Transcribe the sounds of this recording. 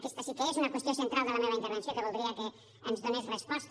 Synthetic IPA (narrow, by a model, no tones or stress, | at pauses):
kɛst̪əsikəezunɐkwəst̪iosənt̪ɾalˠd̪ələmeβɐint̪əɾβənsjokəβulˠd̪ɾiəkə | ənzðonesrəspɔst̪